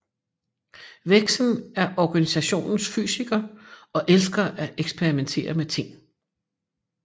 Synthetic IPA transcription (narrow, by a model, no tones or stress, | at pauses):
ʋeɡ̥sn̩æɐʔɒɡ̥ænisæɕo̝̰ːnn̩sfy̰ːsiɡ̥ɐɒ̽ʔelsɡ̥ɐʔæʔeɡ̥sb̥ʰeʁiment͡sʰe̝̰ːɐmet͡sʰe̝ŋ̰